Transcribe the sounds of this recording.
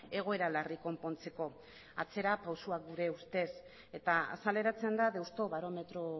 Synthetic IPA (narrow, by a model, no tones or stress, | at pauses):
e̞ɣ̞o̞e̞ɾalariko̞mpo̞nt͡se̞ko̞ | a̰t͡se̞ɾapawsuak̚ɡuɾe̞ust̪e̞s | e̞t̪aa̰sale̞ɾat͡se̞nd̪aðe̞wst̪o̞βaɾo̞me̞t̪ɾo